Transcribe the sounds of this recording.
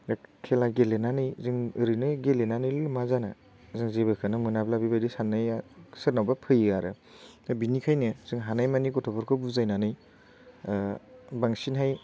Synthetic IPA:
kʰelajɡelenanɯjzɯŋɯɾɯnɯɡelenanɯjlumazanɯ | zɯŋzebɯkʰɯnɯmɯnablabibadisanːajasɯɾnawbapʰɯjaɾɯ | nɯbinikʰajnɯzɯŋɦanajmanikɔtʰɔpʰɔɾkʰɔbuzajnanɯj | baŋsinɦaj

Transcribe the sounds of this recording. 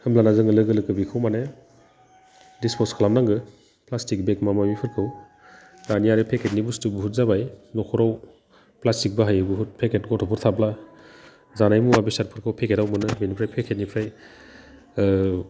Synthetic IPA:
hɯmlanazɯŋɯlɯɡɯlɯkɯbikʰɯwmane | dispʰɔskʰalamnaŋɡɯ | plastik̚bekmamamipʰɯɾkʰɯw | naniaɾɯpʰekʰet̚nibustubuɦut̚zabajnɔkʰɔɾaw | plastik̚baɦajɯbuɦut̚pʰekʰet̚ɡɔtʰɔpʰɔɾtʰapla | zanajmuabisat̚pʰɯɾkʰɯwpʰekʰetawmɯnɯminipʰɾajpʰekʰet̚nipʰɾaj

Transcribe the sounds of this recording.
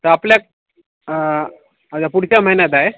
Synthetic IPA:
t̪əapljak̚ | əd͡ʑapuɽ̤t͡ɕaməɦinjat̪ae

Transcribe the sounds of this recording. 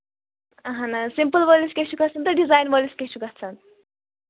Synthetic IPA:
ʌɦʌ̃nasimpəlbʌlusket͡ʃʰuɡʌt͡sʰʌnt̪ʌɖid͡zajnbʌlisket͡ʃʰuɡʌt͡sʰʌn

